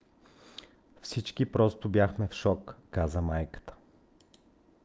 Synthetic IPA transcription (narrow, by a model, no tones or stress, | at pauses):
fsit͡ʃkipɾɔst̪ʊbjaxmɛfʃɔkːazəmajkə̥t̪ə̥